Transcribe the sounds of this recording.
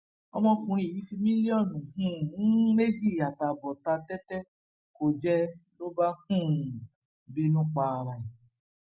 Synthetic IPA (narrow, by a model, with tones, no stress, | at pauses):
ɔ̰˧mɔ̃˧kũ˧ɾ̃ĩ˦˨i˨˦fi˧mĩ˦li˦ɔ˦˨nũ˨ɦũ˦˨˦me˦d͡ʒi˦˨a˨ta˨bɔ˨ta˧tɛ˦tɛ˦ | ko˨d͡ʒɛ˦lo˦ba˦hũ˦˨ | bi˦nũ˦k͡pa˧ɾa˨i˨